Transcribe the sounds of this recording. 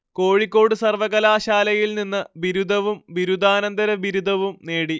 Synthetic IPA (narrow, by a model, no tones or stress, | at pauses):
ko̞ːɻikʲːo̞ːɽɨsɐrʋɐɣɐlaːɕaːlɐjilninːɨbiɾud̪ʱɐʋumʋiɾud̪ʱaːnɐnd̪ɐɾɐbiɾud̪ʱɐʋumne̞ːɽi